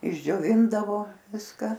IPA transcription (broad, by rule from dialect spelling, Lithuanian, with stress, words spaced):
ɪʒʲd͡ʒʲoːˈʋʲɪndɐʋoː ˈʋʲɪskɐ